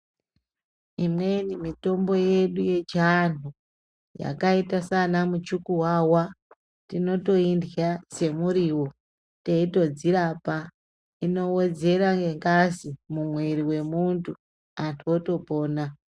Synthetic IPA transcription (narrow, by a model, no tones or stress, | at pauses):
imwenimito̞mbo̞je̞ɗuje̞t͡ʃan̤u | ja̰kaitasanamut͡ʃukuwawa | tino̞to̞indjase̞muɾiwo | teito̞d͡ziɾapa | ino̞wed͡ze̞ɾaŋɡeŋɡasimumweɾiwe̞muntʰu | antʰuoto̞po̞ːna